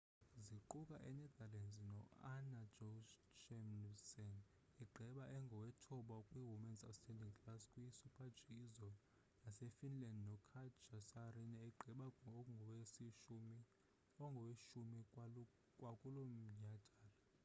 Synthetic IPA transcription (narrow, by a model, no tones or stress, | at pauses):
ziǃukʼaʔɛnɛd̪alɛnznɔanad͡ʒɔt͡ʃɛmsɛn | ɛɡ͡ǃʱɛɓaʔɛŋɡʱɔwɛtʰɔɓakʼwiwumɛnsastʰʼɛndʱiŋpʰlaskʼwisupʰḁd͡ʒʱizɔ | nasɛfinlandnɔkʰat͡ʃʰasarinaɛɡ͡ǃʱɛɓaɔŋɡʱɔwesiʃumi | ɔŋɡʱɔweʃumi | kʼwakʼulom̩ɲad̥ʱaːla